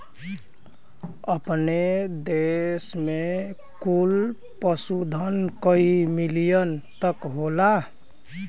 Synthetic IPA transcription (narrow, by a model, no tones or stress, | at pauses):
əpned̪esme | kul | pəsud̪ʱənkəimilijənt̪əkɦola